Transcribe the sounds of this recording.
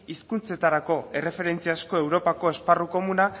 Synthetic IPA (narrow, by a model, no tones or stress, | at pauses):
iskunt͡se̞t̪aɾako̞e̞re̞fe̞ɾe̞nt͡siasko̞e̞wɾo̞pako̞e̞sparuko̞muna